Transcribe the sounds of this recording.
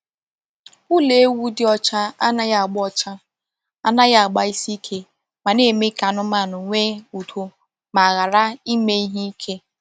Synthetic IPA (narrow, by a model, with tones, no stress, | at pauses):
u˦le˨˦wu˦dɪ˦ɔ˦t͡ʃa˦a˦na˦ja˦a˨ɡ͡bɔ˦t͡ʃa˦ | a˦na˦ɣa˦a˨ɡ͡ba˦i˦si˦kʰe˦ | ma˨ne˦˨me˦ka˨nʊ˦ma˦˨nʊ˨ŋʷe˦u˨tʰo˦ | ma˨ɣa˨ɾa˦i˦me˦i˦ɦi˦i˦kʰe˦